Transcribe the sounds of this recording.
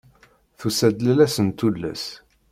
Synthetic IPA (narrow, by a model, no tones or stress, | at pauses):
θusæd̪lælæsənt̪ulːæ̰s